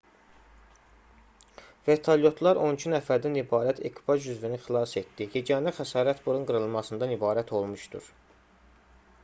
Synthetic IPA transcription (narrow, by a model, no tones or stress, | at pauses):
ve̞t̪ʰoljo̞t̪ʰlˠɑɾʔo̞nicʰinæfæɾd̪ænibɑːɾæt̪ʰḛkʰbɑʒyzvinixilˠɑse̞t̪d̪ijed͡ʒænæxæsɑːɾæt̪buɾunɡɯɾɯlˠmɑsɯnd̪ɑnibɑːɾæt̪ʰo̞lˠmuʃd̪ṵɾ